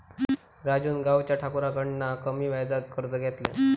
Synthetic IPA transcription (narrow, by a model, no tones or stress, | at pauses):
ɾad͡ʑuːnɡawt͡ɕjaʈʰakuɾakəɳnːakəmiːʋajd͡zat̪kəɾd͡zəɡʱɛt̪lɛ̰